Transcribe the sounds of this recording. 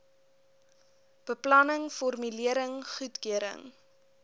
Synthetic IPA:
b̥əplɐnəŋfɔrmyliəɾəŋχutkiəɾə̰ŋ

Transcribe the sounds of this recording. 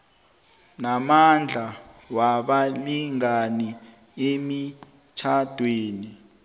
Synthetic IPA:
namand͡ɮʱawaɓaliŋani | emi | t͡ʃʰad̥ʱweːni

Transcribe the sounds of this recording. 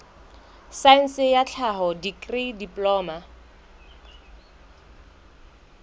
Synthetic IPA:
sain̩sɪjat͡ɬʰaɦɔdikʼridipʼlɔːma

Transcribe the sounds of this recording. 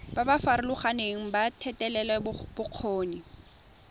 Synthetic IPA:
babafaɾɪlʊχaneŋ̩batʰɛtʼɛlɛlɛbb̥ʊq͡χʰoːni

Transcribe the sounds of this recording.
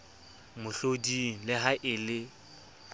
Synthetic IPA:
mʊɬodiŋ̩lɪɦaʔɪlɪ

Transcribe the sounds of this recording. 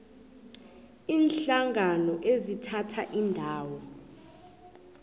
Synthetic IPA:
iːnɬaŋʱanɔʔezitʰatʰaʔindʱaːwɔ

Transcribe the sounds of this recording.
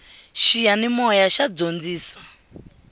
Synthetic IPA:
ʃijanimɔjaʃad͡zond͡ziːsḁ

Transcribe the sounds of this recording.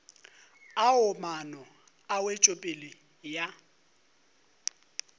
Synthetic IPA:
aʊmanɔ | awet͡ʃʼopʼɪlɪ | ja

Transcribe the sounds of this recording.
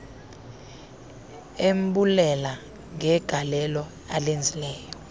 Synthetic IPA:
em̩ɓulɛla | ŋɛɡ̥ʱalɛlɔ | alend͡zʱilɛːjɔ

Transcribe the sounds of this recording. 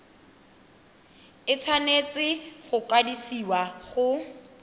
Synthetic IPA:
ɪt͡sʰwanet͡sɪχʊkadisiwaχʊ

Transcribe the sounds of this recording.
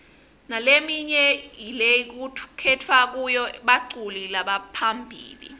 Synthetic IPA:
nalemiɲɛjilejik̬ukʰɛtʰwak̬ujɔɓaǀulilaɓapʰambʱḭːlḭ

